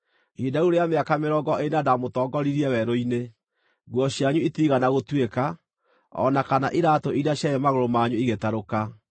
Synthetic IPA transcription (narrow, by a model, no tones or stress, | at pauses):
idauɾeameakameɾɔːɡɔʔenadamotɔːɡɔɾiɾiɛwɛɾoine | ɡwɔɕjaɲuitiɣanaɣotweka | ɔ̰nakanaʔiɾaːtoiɾiaɕjajɛmaɣoɾomaɲuiɣetaɾoka